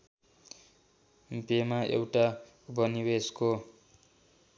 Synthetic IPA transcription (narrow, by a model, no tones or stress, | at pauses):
pemaʔḛwʈa | bʱʌniwesko